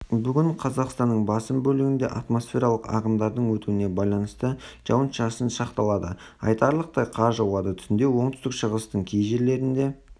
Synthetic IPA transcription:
bʏɡʲɪɴqʰɑzɑqst̪ɑnːəɴbɑsəmbɵlɪɡʲɪnd̪e̞̰ʔat̪mo̞sfʲe̞ɾɑlˠəqɑ̰ʁəmd̪ɑɾd̪əɴwɵt̪uɪne̞bɑjlˠɑnəst̪əʒ̥ɑ̰wənʃɑsənʃɑqt̪ɑlˠɑd̪ə | ɑ̰jt̪ɑɾlˠəq̚t̪ɑjqʰɑɾʒɑwˠɑd̪ət̪ʰʏ̥sɪnd̪e̞wo̞ɴt̪ʏ̥st̪ɪkʃəʁəst̪əɴkʲʰejʒe̞ɾle̞ɾɪnd̪e̞

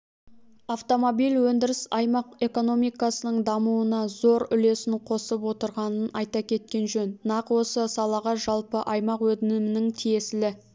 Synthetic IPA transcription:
aft̪o̞mo̞bijlwɵnd̪ɪɾɪsɑjmɑqe̞ko̞no̞mijkɑsənəɴd̪ɑmuənɑzo̞ɾʏle̞sɪɴqʰo̞səpwo̞t̪əɾʁɑnənɑjt̪ɑkʲʰe̞t̪̚kʲe̞nʒɵnnɑqwo̞səsɑlˠɑʁɑʒɑlˠpəʔɑjmɑqwɵd̪ɪnɪmɪnɪŋt̪ʰije̞sɪlɪ

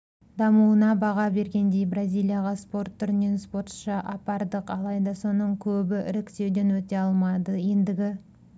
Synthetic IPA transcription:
d̪ɑmuwənɑbɑʁɑbe̞ɾɡʲe̞nd̪e̞jbrazʲijlʲˠijaʁɑspo̞rt̪ʰːʏɾne̞nspo̞ɾt̪ʃɑʔɑpɑɾd̪əqɑlˠɑjd̪ɑso̞nəɴkʲʰɵbɪɪ̰ɾɪkʲt̪e̞wd̪e̞nwɵt̪e̞ɑlˠmɑd̪əje̞nd̪ɪɡʲɪ

